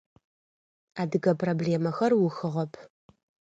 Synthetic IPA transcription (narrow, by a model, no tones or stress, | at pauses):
aːdɨɡɐpʼrobleːmɐxɐrwʊxɨʁɐpʰ